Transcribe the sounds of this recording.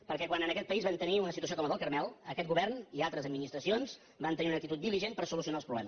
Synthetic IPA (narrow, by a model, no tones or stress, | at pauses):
pəɾkɛkwanənəkɛt̪̚pəizβant̪əniunəsit̪uəs̬iokɔməðəlˠkəɾmɛlˠəkɛt̪̚ɡuβɛrnialˠt̪ɾəzəd̪minist̪ɾəsionz | bant̪əniunəkt̪it̪ut̪̚d̪iliʒenpəɾsulusiunalˠspɾuβlɛmə